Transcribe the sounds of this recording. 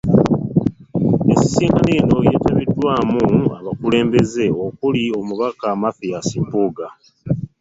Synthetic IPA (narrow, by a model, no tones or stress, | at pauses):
esi̥siːŋɡaneːno̞je̞̰ːtaβidːwaːmua̰βakule̞ːmbe̞ze̞o̞kulio̞muβakamafijasiːmpuːɡa